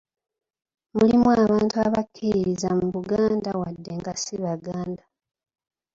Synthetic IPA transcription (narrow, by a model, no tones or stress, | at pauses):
mulimwaːβaːntua̰βakʰːiiɾizamuβuɡaːndawadːe̞ŋɡasiβaɡaːnda